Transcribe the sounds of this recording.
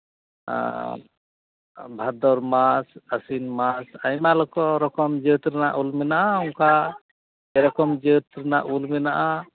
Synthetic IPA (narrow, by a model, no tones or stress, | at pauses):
bʱad̪ɔɾmasasinmasajmalɔkɔɾɔkɔmd͡ʒət̪ɾɛnaʔulmɛnaʔaɔŋka | ɛɾɔkɔmd͡ʒət̪ɾɛnaʔulmɛnaʔa